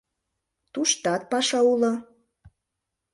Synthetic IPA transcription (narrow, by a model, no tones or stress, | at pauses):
t̪uʃt̪ɑt̪̚pɑʃɑulŏ